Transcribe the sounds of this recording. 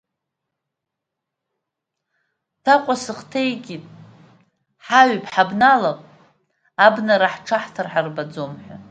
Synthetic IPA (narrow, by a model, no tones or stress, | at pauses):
tʰaqʷʼasɨχtʰejɡʲitʼ | ħaɥpʰʼħabnalapʼ | abnaɾaħʈ͡ʂʰaħtʰarħarbad͡zomħʷa